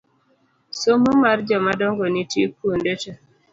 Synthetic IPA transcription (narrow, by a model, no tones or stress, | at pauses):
somumaɾd͡ʒɔmadɔŋɡonitḭkuondete